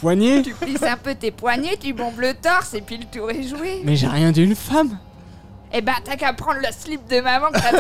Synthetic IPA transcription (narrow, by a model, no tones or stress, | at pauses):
pwaɲet̪ypisɛ̃pøt̪epwaɲet̪ybɔ̃blət̪ɔʁsepɥilət̪uʁɛʒuwemɛʒeʁjɛ̃d̪yːnfam | ebɛ̃t̪akapχɑ̃d̪ləslip̚d̪əmamɑ̃k̪a